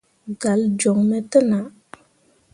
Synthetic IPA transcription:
ɡa˨ld͡ʒɔ˨ŋmɛ˦tə˦na˨

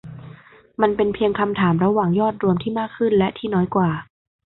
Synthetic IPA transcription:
ma˧npe˧npʰi˧əŋkʰa˧mt̪ʰaː˩˦mɾa˧waː˨˩ŋjɔː˥˩t̪̚ɾu˧əmt̪ʰiː˥˩maː˥˩kʰːɯ˥˩nlɛ˦˥ʔt̪ʰiː˥˩nɔː˦˥jkwaː˨˩

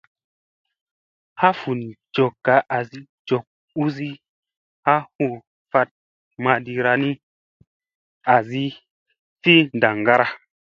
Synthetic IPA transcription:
ha˦fu˨nd͡ʒo˨kːa˨˦ʔa˨zi˦ | d͡ʒo˨k̚ | u˦zi˦ | ha˦hu˧˨ | fa˧t̚ | ma˧di˧ɾa˧ni˦ | a˨zi˦ | fi˦n˨da˨ŋɡa˦ɾa˦

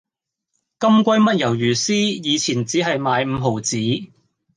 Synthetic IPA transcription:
kɐ˥mkʷɐ˥jmɐ˥t̚jɐ˨˩wjyː˨˩siː˥jiː˨˧t͡sʰiː˨˩nt͡siː˨˥ɦɐ˨jmaː˨˧jm̩˨˧ɦo˨˩wt͡siː˨˥

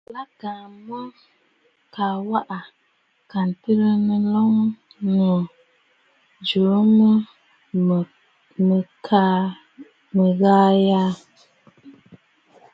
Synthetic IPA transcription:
la˦ka˨mə˦ | ka˨wa˦ʔa˨ | ka˨n˨tɨ˦ɾə˦nɨ˦lɔ˦ŋ | nə˨ | d͡ʒu˨˦mə˦˨ | mə˨kʰa˦ | mə˨ɣaː˦ja˦

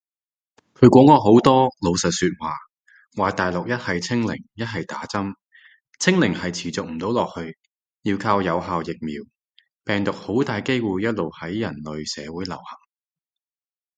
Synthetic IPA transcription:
kʰɵ˨˧ɥkʷɔː˨˥ŋɔː˧ɦo˨˥wt̪ɔː˥lo˨˧wsɐ˨t̚syː˧t̚waː˨ | waː˨˩t̪aː˨jlʊ˨k̚jɐ˥t̚hɐ˨jt͡sʰɪ˥ŋlɪ̰˨˩ŋjɐ˥t̚ɦɐ˨jt̪aː˨˥t͡sɐ˥m | t͡sʰɪ˥ŋlɪ˨˩ŋhɐ˨jt͡sʰiː˨˩t͡sʊ˨k̚m̩˨˩t̪o˨˥wlɔː˨k̚hɵ˧ɥ | jiː˧wkʰaː˧wjɐ˨˧wɦaː˨wjɪ˨k̚miː˨w | pɛː˨ŋt̪ʊ˨k̚ho˨˥wt̪aː˨jke˥jwuː˨jjɐ˥t̚lo˨whɐ˨˥jːɐ˨˩nlɵ˨ɥsɛ̰ː˨˧wuː˨˥jlɐ̰˨˩whɐ˨˩ŋ

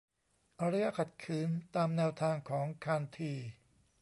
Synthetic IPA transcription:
ʔa˧ɾa˥˧ja˧˩kʰa˨˩t̪̚kʰɯː˩˦nt̪aː˧mnɛː˧wt̪ʰaː˧ŋkʰɔː˩˦ŋkʰaː˧nt̪ʰiː˧˩

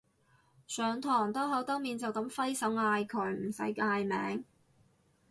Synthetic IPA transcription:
sœː˨ŋt̪ʰɔː˨˩ŋt̪ɔː˥ɦɐ˨˥wt̪ɐ˥ŋmiː˨nt͡sɐ˨wk̪ɐ˨˥mfɐ˥jsɐ˨˥waː˧jkʰœː˨˩jm̩˨˩sɐ̰˨˥jkaː˧jmɛ̰ː˨˧˥ŋ

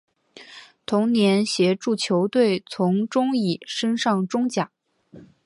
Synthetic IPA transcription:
t̪ʰʊ˧˥ŋnjɛ˧˥nɕjɛ˧˥ʈ͡ʂu˥˩t͡ɕʰjo˧˥ʊt̪we˥˩ɪt͡sʰʊ˧˥ŋʈ͡ʂʊ˥ŋi˨˩ʂə˥nʂɑ˥˩ŋʈ͡ʂʊ˥ŋt͡ɕja˨˩˦

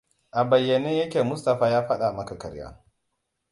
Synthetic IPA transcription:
ʔa˨bɐ˨jːɐ˨neː˦jɐ˦kʲeː˨mʊ˦stɐ˨ɸaː˦jaː˦ɸɐ˦ɗa˨mɐ˦ka˨kɐ̰˨ɾja̰ː˦

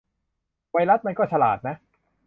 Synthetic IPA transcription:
wa˧jɾa˦˥t̪̚ma˧nkɔː˥˩t͡ɕʰa˧la̰ː˨˩t̪̚na˦˥

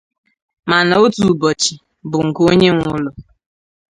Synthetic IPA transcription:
ma˨na˨o˦tu˨bɔ˨t͡ʃi˨ | bʊ˨ŋ̩˨ko˦ɲe˦ŋʷʊ˦lʊ˨

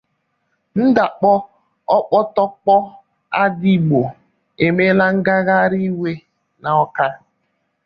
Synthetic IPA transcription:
n̩˦da˨k͡pɔ˦ | ɔ˦k͡pɔ˦tɔ˦k͡pɔ˦ | a˦di˦˨ɡ͡bo˨ | e˨me˦la˦ŋ̩˦ɡa˦ɣa˦ɾi˦we˦ | na˨ɔ˦ka˦

